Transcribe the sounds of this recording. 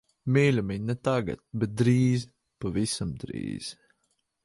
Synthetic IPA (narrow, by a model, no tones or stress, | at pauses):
mʲiːlʲumʲiɲʲnɛt̪aɡa̰t̪̚bɛt̪̚d̪ɾiːz | pavisamd̪ɾḭːz̥